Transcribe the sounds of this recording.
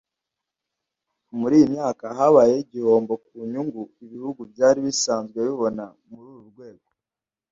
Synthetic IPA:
muɾiːjimɲaːkaɦaβaːjeiɟiho̞ːmbo̞k̚uːɲuŋɡuiβihuɡubɟaːɾiβisaːnzɡwe̞βiβo̞na | muɾuːɾuɾɡwe̞ːɡo̞

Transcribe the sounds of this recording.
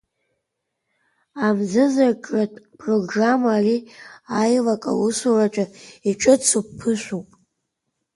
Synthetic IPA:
amzɨzakʼratʼpʼroɡramaːriajlakʼa̰wusurat͡ʃʷʼaiʈ͡ʂʼɨt͡sʰupʰːɨʃʷupʼ

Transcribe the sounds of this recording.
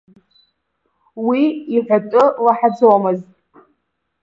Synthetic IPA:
wiiħᶣʷatʼɨlaħad͡zowmɨztʼ

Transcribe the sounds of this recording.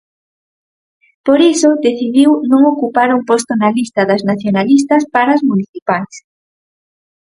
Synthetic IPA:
poɾisoðeθiðiwnõŋokupaɾuŋpost̪onalist̪ɐðɐznaθjonalis̬t̪ɐspaɾazmuniθipajs

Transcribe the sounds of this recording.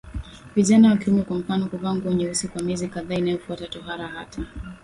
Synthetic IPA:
viʄanawakiimɛkwam̩fanɔkuvaŋɡwɛɲɛusikwamɛzikaðaːinajɔfuatatɔɦaɾaha̰ta

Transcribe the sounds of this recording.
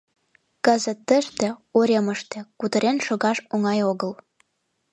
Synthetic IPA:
kɤ̆zə̆t̪ːə̆ʃt̪ĕoɾʲemə̆ʃt̪ĕkut̪ə̆ɾenʃŏɣɑʃoŋɑjoɣə̆l

